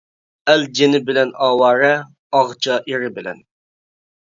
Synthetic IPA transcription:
ɛld͡ʒenɪbɪlɛnɑːwɑːɾɛ | ɑʁt͡ʃʰɑʔiɾɪbɪlɛ̰n

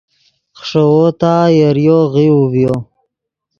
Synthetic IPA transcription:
χʂəwot̪ajəɾjoɣiuvjo

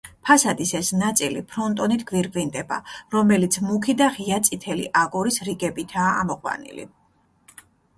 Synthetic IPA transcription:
pʰasad̪isɛsnat̪sʼilḭpʰɾɔnt̪ʼɔnit̪ʰɡviɾɡvind̪ɛba̰ɾɔmɛlit̪sʰmukʰid̪aχiat̪sʼit̪ʰɛlḭʔaɡɔɾisɾiɡɛbit̪ʰa̰ːmɔqʼwa̰nḭlḭ

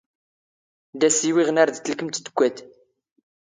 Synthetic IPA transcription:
d̪æsiwiʁənaɾd̪θəlkəmt̪d̪əɡʷːæt̪

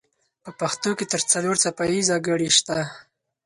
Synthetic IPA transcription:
pəpaxt̪oket̪əɾt͡saloɾt͡sapajizɑɡəɽiʃt̪a

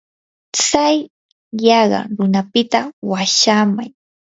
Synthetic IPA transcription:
t͡sajː | ɑɢɑ̰ɾʊnapɪt̪awaʃamaj

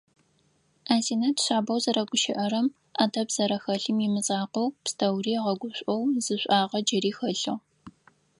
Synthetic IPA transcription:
ʔaːziːnɐtɕaːbɐwzɐɾɐɡʷʊʃɪʔɐɾɐm | aːdʰɐbz̥ɐɾɐxɐɬɨmimɨt͡sʼaːqɐwpstʰɐwriːʁɐɡʷʊɕʷʼɔwzɨɕʷʼaːʁɐd͡ʒɐɾiːxɐɬɨʁ

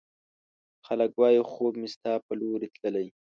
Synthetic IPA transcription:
xaləkwɑːjuxoːbmɪst̪ɑːpəloɾit̪ləlaj

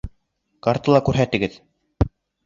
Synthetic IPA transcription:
kaɾt̪ɤ̆lˠɑkʉɾɦæt̪ɘ̆ɡɘð

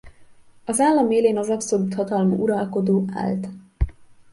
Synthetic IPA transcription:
ɒzaːlːɒmeːleːnɒzɒpsolut̪hɒt̪ɒlmṵʔuɾɒlko̞d̪oːʔa̰ːlt̪

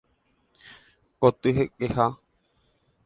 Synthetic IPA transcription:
kot̪ɨɦekeha

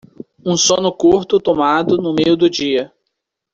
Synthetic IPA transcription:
ũsõnʊkuɾt̪ʊt̪omad̪ʊnʊmejʊd̪ʊd͡ʒiɐ

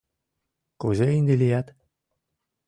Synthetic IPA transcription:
kuzeind̪elʲijæt̪

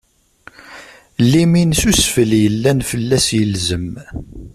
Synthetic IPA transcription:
lːiminsusfəljəlːænfəlːæsjəlzəm

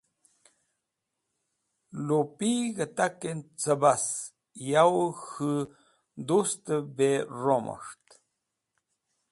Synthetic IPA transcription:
lupiɣət̪akent͡səbas | jawxɨ | d̪ust̪əberomə̰ʂt̪

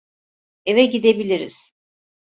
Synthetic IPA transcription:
evɛɟid̪e̞bilʲiɾḭz̥

